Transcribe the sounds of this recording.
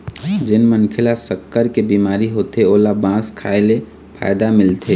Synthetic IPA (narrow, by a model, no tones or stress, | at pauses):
d͡ʒɪnmənkʰɪlasəkːəɾkebiːmaːɾiɦoːt̪eoːlabãːskʰaːele | pʰa̰ːjd̪amɪlt̪ʰe